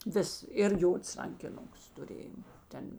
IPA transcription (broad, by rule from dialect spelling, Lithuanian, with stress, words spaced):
ˈʋʲɪs ɪr ˈjoːts rɐŋʲkʲɪˈnʊks tʊˈrʲeːjoː ˈtʲɛn